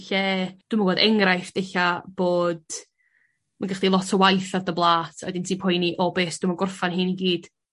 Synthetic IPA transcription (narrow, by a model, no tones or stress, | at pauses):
ɬɛd̥ɪməwoːdɛŋrajfd̥eɬab̥oːd̥̚ | manɡaχd̥ilˠɔtʰəwajθavdəblˠaːtʰɔ̰jdɪntʰiːpʰɔjniʔɔbeːsd̥ɪmaɡʊrfanhɨniɡiːd̥